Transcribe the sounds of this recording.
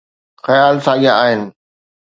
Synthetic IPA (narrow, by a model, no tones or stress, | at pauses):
xɐjaːlsãːɠijãaːɦɪnɪ̆